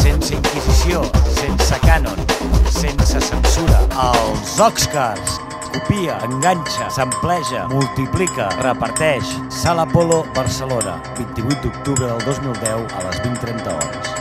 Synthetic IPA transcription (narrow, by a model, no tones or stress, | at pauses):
sensəiŋkizisiosensəkanonsensəsənsuɾəəlˠzɔkskaɾs | kupiəəŋɡanʲt͡ʃəsəmplɛʒəmulˠt̪iplikərəpəɾt̪ɛʃ | saləpoloβəɾsəlonə̰ | bint̪iβut̪̚d̪uk̚t̪uβɾəðəlˠd̪ozmilˠd̪ɛwə̰lə̰zβint̪ɾɛnt̪əɔ̰ɾə̰s